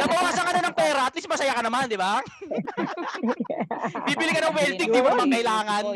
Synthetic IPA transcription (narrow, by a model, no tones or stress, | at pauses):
nɐɡ̚boŋasɐŋɐnonɐŋpɛːɾɐɐt̪lismɐsɐjakɐnɐmand̪ɪba | biːbɪlɪkɐnɐŋwɛlt̪ɪŋd̪ɪbamɐŋkɐʔɪlaːŋɐn